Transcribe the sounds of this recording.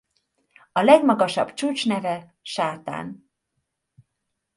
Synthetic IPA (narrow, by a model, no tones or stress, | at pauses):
ɒlɛɡmɒɡɒʃɒ̰bt͡ʃuːt͡ʃnɛvɛ | ʃaːt̪a̰ːn